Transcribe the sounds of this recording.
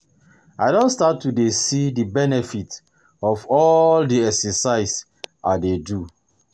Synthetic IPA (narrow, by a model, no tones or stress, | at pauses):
aɪdõntstatːudesidibɛnɛfit | ɔfɔldiɛksɛsaɪs | ʔadedu